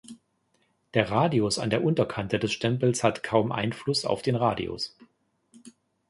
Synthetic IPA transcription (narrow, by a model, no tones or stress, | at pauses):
d̥eːɐʁaːdiʊsa̰ndeːɐʔʊntɐkʰantədɛsʃtɛmpl̩shatkʰaʊmʔa̰ɪnflʊsa̰ʊfd̥eːnʁaːdḭo̰s